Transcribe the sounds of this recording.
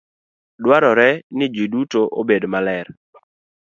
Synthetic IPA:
dwaɾɔɾɛnɪd͡ʒidutoʔobedmalɛr

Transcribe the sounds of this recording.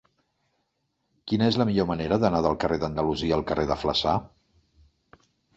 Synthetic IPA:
kinəezləmiʎoməneɾəðənaðəlˠkərʔeðənd̪əluziəːlˠkərʔeðəflə̰sa

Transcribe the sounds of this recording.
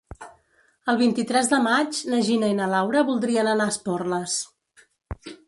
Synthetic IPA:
əlˠβint̪it̪ɾɛzðəmad͡ʒnəʒinəinəlawɾəβulˠd̪ɾiənənaəspɔrləs

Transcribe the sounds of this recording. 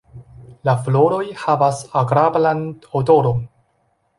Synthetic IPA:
laflo̞ɾo̞jhavasaɡɾablanodo̞ɾo̞n

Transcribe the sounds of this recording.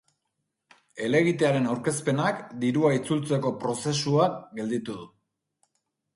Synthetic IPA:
e̞le̞ɣ̞it̪e̞aɾe̞nawɾke̞spe̞nakd̪iɾuait͡sult͡se̞ko̞pɾo̞se̞suaɡe̞ld̪it̪uð̞u

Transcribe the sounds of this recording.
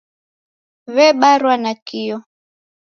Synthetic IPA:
βɛɓaɾwanakiɔ

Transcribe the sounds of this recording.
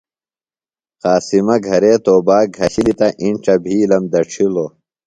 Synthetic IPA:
qaːsimɐɡʱɐɾeːt̪oːbaːɡʱɐɕilit̪ɐʔiɳʈ͡ʂɐbʱiːlɐmd̪ɐʈ͡ʂʰiloː

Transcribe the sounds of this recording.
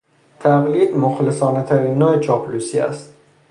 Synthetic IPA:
t̪ʰæɣliːd̪moxlesɒːnet̪ʰæɾinːɒːet͡ʃʰɒplusiæ̰st̪

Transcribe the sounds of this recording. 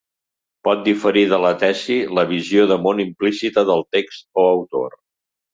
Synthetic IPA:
pɔt̪̚d̪ifəɾiðələt̪ɛsiləβ̞izioðəmonimplisit̪əðəlˠt̪ekst̪̚oəwt̪o̰r

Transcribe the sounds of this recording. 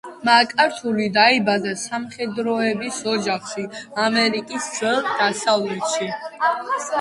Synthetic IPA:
makʼaɾt̪ʰulid̪aibad̪asamχɛd̪ɾɔɛbisɔd͡ʒaχʃiamɛɾikʼisd̪z̥ɛlˠd̪̥asavlɛt̪ʃi

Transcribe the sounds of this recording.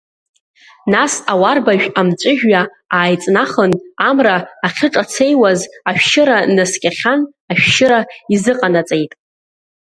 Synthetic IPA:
nasawarbaʒᶣamt͡ʃʷʼʊʒᶣɥa | aːjt͡sʼnaχənamraːχʲɪʈ͡ʂʼat͡sʰejwazaʃᶣʃɪɾanɨskʲʼaχʲan | aʃᶣʃɪɾaizɨqʼanat͡sʼejtʼ

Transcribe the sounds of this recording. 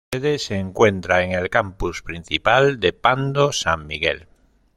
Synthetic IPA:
eðeseːŋkwẽ̞nt̪ɾaeŋe̞lkampuspɾin̟θipald̪epand̪osaŋmiɣḛl

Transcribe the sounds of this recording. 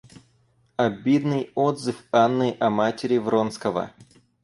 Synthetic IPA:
ɐbʲid̪nɨjod̪zɨfanːɨʔɐmatʲɪɾʲɪvɾonskəvə̰

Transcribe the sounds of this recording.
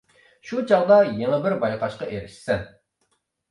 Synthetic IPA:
ʃut͡ʃʰɑʁd̪ɑjeŋɛbɪɾbɑjqɑʃqɑʔeɾɪʃsɪn

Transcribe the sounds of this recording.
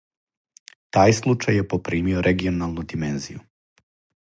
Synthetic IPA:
t̪aːjslˠut͡ʃajjepopɾiːmioɾʔeɡio̞nalˠnud̪imenzḭjṵ

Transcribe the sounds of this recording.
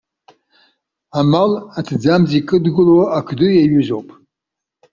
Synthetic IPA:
amalatʰd͡zamzikʼɨdɡʊlwaakʰdujaɥʏzowpʼ

